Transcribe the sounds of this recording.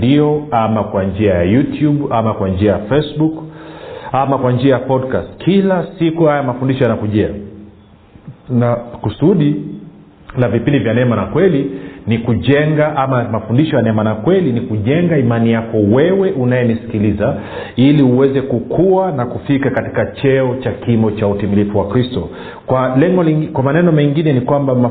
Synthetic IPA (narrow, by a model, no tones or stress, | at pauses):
iɔamakwand͡ʒiajajutjuɓamakwand͡ʒiajafɛsbuk | amakwand͡ʒiajapɔdkastkʰilasikuhajamafundiʃɔjanakuʄɛa | nakusuɗi | navipindivjanɛmanakwɛlinikuʄɛŋɡaʔamamafundiʃɔjanɛmanakwɛlinikuʄɛŋɡaimanijakɔwɛwɛʔunajɛnisi̥kiliza | iliuwɛzɛkukʰuanakufikakati̥kat͡ʃɛɔt͡ʃakimbɔt͡ʃautimilifuwakɾistɔ | kwalɛŋɡɔkwamanɛnɔmɛŋɡinɛnikwambama